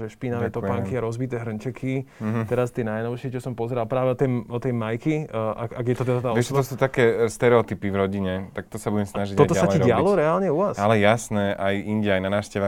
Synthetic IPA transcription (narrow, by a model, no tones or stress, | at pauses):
ʒɛʃpinaʋɛːt̪ɔpaŋkiaɾɔzbit̪ɛːɦɾ̩ɲt͡ʃɛkʰit̪ɛɾast̪iɛnajnɔʊʃɪɛt͡ʃɔsɔmpɔzɛɾalpɾaːʋɛɔt̪ɛɔt̪ɛjmajkiʔaaɡjɛt̪ɔt̪ɛd̪at̪aːɔɛɔsuːt̪akɛːst̪ɛɾɛɔt̪ipivɾɔɟiɲɛt̪ak̚t̪ɔsabuɟɛmsnaʒiɟtɔt̪ɔasaɛiɾɟɪalɔɾɛalɲɛuʋasalɛjasnɛʔajiɲɟɛajnanaːʃcɛʋa